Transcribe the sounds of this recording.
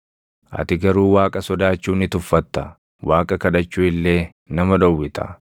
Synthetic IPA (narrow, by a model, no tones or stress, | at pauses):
ʔɐ̰t̪ɪɡɐɾuːwaːkʼɐsɔd̪aːt͡ʃːuːnɪt̪ʊfːɐt̪ːɐ | waːkʼɐkɐᶑɐt͡ʃːuːɪlːe̞ː | nɐmɐᶑɔwːɪt̪ɐ̰